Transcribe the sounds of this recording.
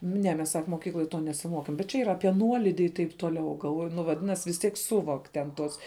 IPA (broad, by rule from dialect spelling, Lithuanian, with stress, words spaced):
ˈnʲɛ mʲɛs sɐk moːˈkʲiːklˠoːj ˈtoː nʲɛsʲɪˈmoːkʲeːm bʲɛt t͡ʃʲɛ ˈiːrɐ ˈɑːpʲiɛ ˈnuɔlʲɪdʲɪ ɪ tɐɪp ˈtoːˌlʲɛʊ ɡɐlˠˈʋoːjʊ nʊ ʋɐˈdʲɪnɐsʲ ʋʲɪs ˈtʲiɛk ˈsʊʋoːkʲ tʲɛn ˈtuɔs